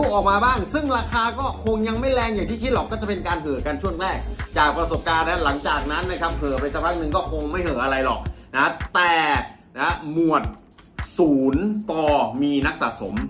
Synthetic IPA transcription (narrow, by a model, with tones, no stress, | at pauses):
uː˥˩ʔɔː˨˩k̚maː˧baː˥˩ŋsɯ˥˩ŋɾaː˧kʰaː˧kɔː˥˩kʰo˧ŋja˧ŋma˥˩jɾɛː˧ŋjaː˨˩ŋt̪ʰiː˥˩kʰi˦˥t̪̚lɔ˨˩kːɔː˥˩a˨˩pe˧nkaː˧nɦɯ˨˩˦ka˧nt͡ɕʰu˥˩əŋɾɛː˥˩k̚t͡ɕaː˨˩k̚pɾa˧so˨˩p̚kaː˧nɾɛ˦˥la˩˦ŋt͡ɕaː˨˩k̚na˦˥nːa˦˥kʰa˦˥p̚ɦɯː˨˩˦pa˧jsa˧˩pʰɾa˦˥k̚nɯ˨˧˩ŋkɔː˥˩kʰo˧ŋma˥˩jhɤː˩˦ʔa˧ɾa˧jlɔ˨˩k̚na˦˥t̪ɛː˨˩ | na˦˥mu˨˩ət̪̚ | suː˩˦nt̪ɔː˧miː˧na˦˥k̚sa̰ː˨˩so˩˦m